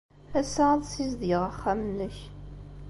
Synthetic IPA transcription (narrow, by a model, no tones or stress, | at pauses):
æsæðˤsizðiʁæχːæmnəç